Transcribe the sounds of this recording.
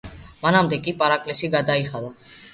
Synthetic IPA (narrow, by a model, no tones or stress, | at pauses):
manamd̪ɛkʼipʼaɾakʼlɛsiɡad̪aiχad̪a